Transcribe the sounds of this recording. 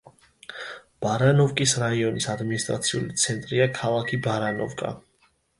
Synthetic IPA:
b̥aɾanɔvkʼisɾaiɔnisad̪minist̪ʼɾa̰t̪sʰiṵlit̪sʰɛnt̪ʼɾiakʰalˠakʰibaɾanɔ̰vkʼa̰

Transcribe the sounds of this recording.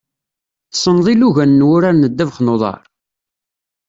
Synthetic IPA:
θsˤːənðˤiluʝænːwʊɾaɾnəd̪ːævχnoðˤɑ̰ɾˤ

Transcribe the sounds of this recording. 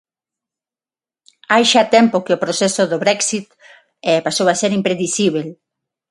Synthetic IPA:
ajʃat̪ɛmpokeopɾosɛsoðoβɾɛksit̪̚ | ɛpasowaseɾimpɾeðisiβ̞el

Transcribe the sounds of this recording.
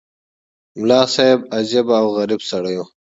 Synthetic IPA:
mlaːsaːebɐzebawɣɐɾibsɐɽɐjõː

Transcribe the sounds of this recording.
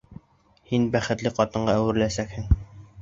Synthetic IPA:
hinbæχɘ̆t̪lɘqɒt̪ɤ̆ɴɢɑæwɘ̆ɾɘ̆læsækhɘŋ

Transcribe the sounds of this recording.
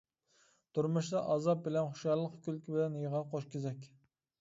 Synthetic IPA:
t̪ʰuɾmuʃd̪ɑʔɑːzɑp̚bɪlɛnχʊ̥ʃjɑlˠːəqkʲylkʲɪbɪlɛnjəʁɑqʰoʃkʲʰezɛkʲ

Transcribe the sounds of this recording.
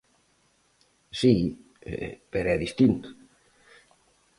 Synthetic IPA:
si | peɾɛðist̪int̪ʊ̥

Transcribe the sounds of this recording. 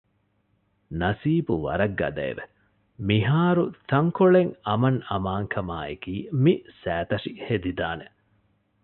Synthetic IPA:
nɐsiːbuʋɐ̰ɾɐɡːɐ̰d̪ɐ̰ḛʋe | miɦaːɾut̪ɐŋkoɭeŋɐmɐŋɐmaːŋkʰɐma̰ːekiːmisæːt̪ɐʂihed̪id̪aːne

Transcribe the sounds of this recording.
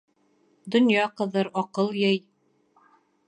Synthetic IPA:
d̪ŏnjɑqɤ̆ðɤɾɒqɤlˠjɤj

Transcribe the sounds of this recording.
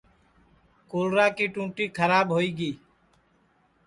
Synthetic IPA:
koːlɾaːkiːʈũːʈiːkʰəɾaːɓɦoːiːɡiː

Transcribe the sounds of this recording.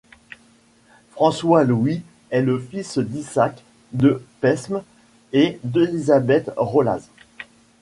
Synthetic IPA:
fχɑ̃swalwi | ɛləfisd̪isak | d̪əpɛsm | ed̪elizabɛt̪ʁola̰z

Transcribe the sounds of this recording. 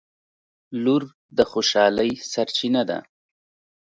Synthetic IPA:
luɾ | d̪əxoʃɑləjsaɾt͡ʃinad̪a̰

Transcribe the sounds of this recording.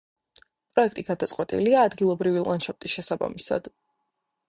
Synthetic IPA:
pʼɾɔɛkʰt̪ʼiɡad̪at̪sʼqʼwɛt̪ʼḭliaːd̪ɡilˠɔbɾivilˠant͡ʃʰap̚t̪ʼisʃɛsaba̰misa̰d̪̥

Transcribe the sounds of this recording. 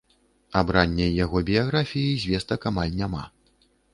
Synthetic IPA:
abɾanʲːɛjːaɣɔbʲijaɣɾafʲijizʲvʲɛst̪ɐkamalʲnʲama̰

